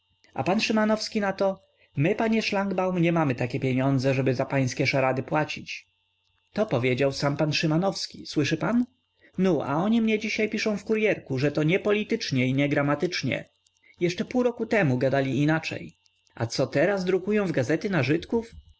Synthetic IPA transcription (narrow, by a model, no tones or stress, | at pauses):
a̰panʂɘmanɔfskʲinat̪ɔ | mɘpaɲɛʂlaŋɡbawmɲɛmamɘt̪akʲɛpʲjeɲɔnd̪zɛʐɛbɘzapaj̃skʲɛʂaɾad̪ɘpwat͡ɕit͡ɕ | t̪ɔpɔvʲjed͡ʑawsampanʂɘmanɔfskʲiswɘʂɘpan | nuʔa̰ɔɲimɲɛd͡ʑiɕajpʲiʂɔ̃w̃fkuɾjɛɾkuʐɛt̪ɔɲɛpɔlʲit̪ɘt͡ʂɲɛiɲɛɡɾamat̪ɘt͡ʂɲɛ̰ | jɛʂt͡ʂɛpuwɾɔkut̪ɛmuɡad̪alʲiːnat͡ʂɛ̰j | a̰t̪sɔt̪ɛɾasd̪ɾukujɔ̃w̃vɡazɛt̪ɘnaʐɘt̪kuf